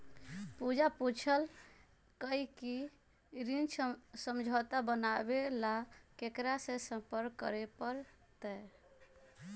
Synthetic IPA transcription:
pud͡ʒaput͡ʃʰəl | kəiki | ɾint͡ʃsəmd͡ʒʱɔt̪abənabelakekɾasẽsə̃mpəɾɡkːə̰ɾepəɾ | t̪ɛ

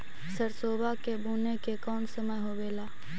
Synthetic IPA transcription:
səɾsoːbakebʱuːnekekɔːnsəməjɦobeːlaː

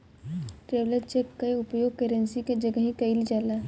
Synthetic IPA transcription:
ʈɾeːʋleɾt͡ʃekːɐeʊpjoːɡ̚keɾə̃nsiked͡ʒɐɡəɦĩkɐild͡ʒaːlaː

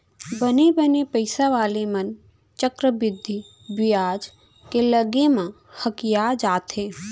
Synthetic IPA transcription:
bənebənepəɪsaʋaːlemən | t͡ʃəkɾəbɪd̪ʱːi | bɪjaːd͡ʒ | keləɡemã | həkɪjad͡ʒaːt̪ɦeː

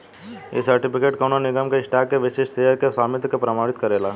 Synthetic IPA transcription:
ḛsɐɾʈɪpɪkeːʈkoːnonɪɡəmkeɪsʈaːkːeʋɪʃeːʃseːɦəɾkesaːmɪt̪kepɾɐmaːɽ̃ɪt̪kɐɾeːlaː

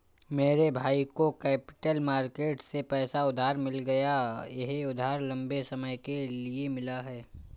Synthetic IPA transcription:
meːɾebʱaːikokɛːpɪ̥ʈəlmaːɾkeːʈsepɛːsaʊd̪ʱaːɾmɪlɡɐjajɐɦʊd̪ʱaːɾlɐ̃mbesɐməjkeliemɪlaɦɛː

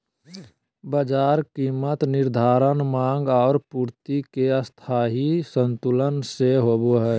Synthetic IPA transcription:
bəd͡ʒaːɾkiːmət̪nɪɾd̪ʱaːɾənmãːŋɡɔːɾpuːɾt̪ikeəst̪ʰaːɦisənt̪ulənseɦoboɦɛː

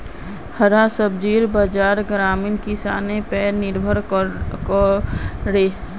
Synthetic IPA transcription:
həɾasəbd͡ʒiːɾbad͡ʒaːɾɡɾaːmiːnkɪsa̰ːnẽpɛːnɪɾbʱəɾk | ɽeː

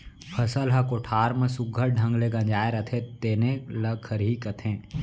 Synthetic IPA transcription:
pʰɐsəlɦɐkoʈʰaːɾmẽsʊɡʱːəɾɖʱɐ̃ŋɡleɡɐ̃d͡ʒaːeɾɐt̪ʰẽt̪eːnẽlɐkʰɐɾɦikɐt̪ʰẽː

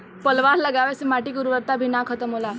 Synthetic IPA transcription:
pəlʋaɾləɡaʋɛsemaʈiːkuɾuʋəɾt̪abʱiːnakʰət̪əmɦola

